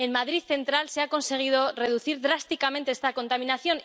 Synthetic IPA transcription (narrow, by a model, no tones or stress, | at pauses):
e̞nmaðɾiðθe̞nt̪ɾalseako̞nse̞ɣ̞iðo̞re̞ðuθiɾðɾast̪ikamẽ̞nt̪e̞est̪ako̞nt̪amĩnaθjo̞n